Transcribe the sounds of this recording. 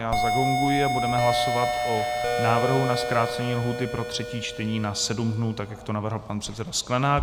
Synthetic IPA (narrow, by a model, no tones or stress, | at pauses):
jaːzaɡoŋɡujɪabudɛmɛɦlaso̞vat̪ʔo̞naːvr̩ɦunaskɾaːt̪t͡sɛɲiːlɦuːt̪ɪpɾo̞t̪r̝̥ɛciːt͡ʃt̪ɛɲiːnasɛdumdnuːt̪akjakt̪o̞navr̩ɦl̩ˠpanpr̥ɛt̪sɛdasklɛnaː